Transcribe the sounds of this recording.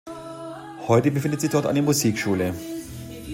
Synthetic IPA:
hɔʏtəbəfɪndətz̥ɪçd̥ɔɐtʔa̰ɪndeːɐmuziːkʃuːlə

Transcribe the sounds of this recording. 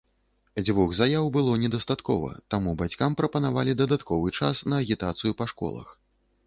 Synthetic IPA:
d͡zʲvɔɣzajawbɨlˠɔnʲɛd̪ɐst̪at̪kɔvɐ̰t̪amubat͡sʲkampɾɐpɐnavalʲid̪ɐd̪at̪kʰɔvɨt͡ʂasnɐːɣʲit̪at̪sɨjupɐʂkɔ̰lˠɐ̰x

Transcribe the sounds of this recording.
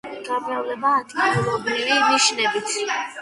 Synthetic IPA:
ɡamɛvlɛbaːd̪ʼiluɾɔbɾiviniʃnɛbit̪ʰ

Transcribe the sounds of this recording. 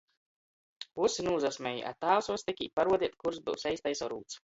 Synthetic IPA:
vusinuːzasʲmʲɛjḭʔa̰t̪aːwsuɔst̪ikʲiːpaɾuɔd̪ʲiɛt̪̚kuɾzbɨ̰wsɛjst̪ajsawɾuːt̪s

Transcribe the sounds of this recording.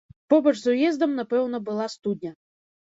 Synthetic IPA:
pɔbɐʐzujɛzd̪ɐmnɐpɛwnɐbɨlˠast̪ud̪ʲnʲɐ

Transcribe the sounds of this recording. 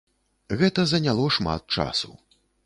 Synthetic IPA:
ɣɛt̪ɐzɐnʲalˠɔʂma̰t̪̚t͡ʂa̰sṵ

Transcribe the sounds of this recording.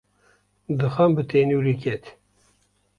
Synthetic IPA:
d̪ɨxɐmbɨt̪ʰeːnuwɾikɛt̪

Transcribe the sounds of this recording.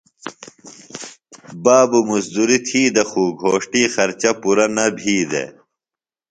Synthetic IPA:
baːbumusd̪uɾit̪ʰiːd̪ɐxuːɡʱoːʂʈiːxɐɾt͡ɕɐpuɾɐnɐbʱiːd̪ḛ

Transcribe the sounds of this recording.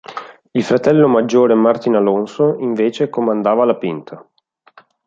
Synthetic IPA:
ilfɾat̪ɛlːomad͡ʒːoːɾemart̪inalonsoiɱveːt͡ʃekomand̪aːvalapint̪ʰa

